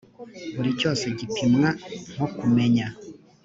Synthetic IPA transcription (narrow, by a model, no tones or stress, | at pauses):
βuɾico̞ːse̞ɟipʰimŋaŋ̥okume̞ɲa